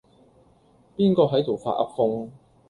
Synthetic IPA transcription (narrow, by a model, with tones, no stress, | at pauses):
piː˥nkɔː˧ɦɐ˨˥jt̪o˨˩wfa̰ː˧t̚ɐ̰˥p̚kʊ˧ŋ